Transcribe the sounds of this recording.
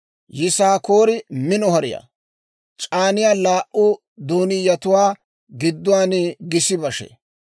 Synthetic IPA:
jɪsaːkoːɾɪmɪnɔhɐɾɪ̰ja̰ | t͡ʃʼaːnɪjaːlaːʔʊ | d̪oːnɪjɐt̪ʊwaː | ɡɪd̪ːʊwaːnɛɡɪsɪbɐʃɛ̰

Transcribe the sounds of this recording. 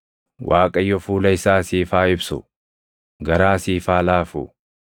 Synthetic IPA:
wʔaːkʼɐjːɔfuːlɐɪsaːsiːfaːɪbsʊ̰ | ɡɐɾaːsiːfaːlaːfʊ̰

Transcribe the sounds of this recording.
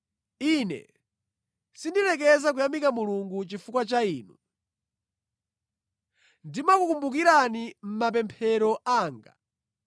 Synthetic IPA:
inɛ̰ | sindilɛkɛzak̬ujambikamuluŋɡut͡ʃifukwat͡ʃaiːnu | ndimakukumbuk̬iɾanim̩map̬ɛmpʰɛɾɔʔaːŋɡa̰

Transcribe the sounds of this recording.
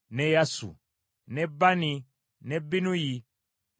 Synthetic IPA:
nejasṵ | nebani | nebinuji

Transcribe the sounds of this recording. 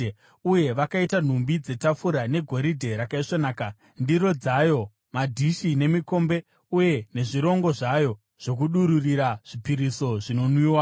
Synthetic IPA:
uje̞ʋakaitan̤umbid͡ze̞tafuɾane̞ɡʱo̞ɾidʱe̞ɾakaiʂonaːka | ndiɾo̞d͡zajo̞ | madʱiʃine̞miko̞mbe̞ | uje̞ne̞ʐiɾo̞ŋɡo̞ʐajo̞ | ʐ̥o̞k̬uɗuɾuriɾaʐ̥ipiɾiso̞ʐino̞nwiːwa

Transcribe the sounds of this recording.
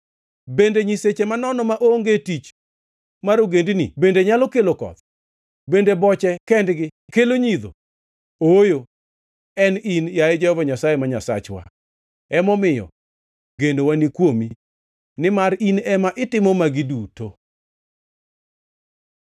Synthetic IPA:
bendeɲiset͡ʃemanɔnɔmaʔoŋɡetit͡ʃ | maɾoɡendinḭbendeɲalɔkelokɔ̰t̪ | bendebɔt͡ʃɛkɛndɡɪkeloɲid̪o̰ | ojo | ɛninjaed͡ʒɛhɔvaɲasajemaɲasa̰t͡ʃwa̰ | ɛmɔmɪjɔ̰ | ɡendowanikwomi | nɪmaɾinɛmaʔɪtɪmɔmaɡɪduto

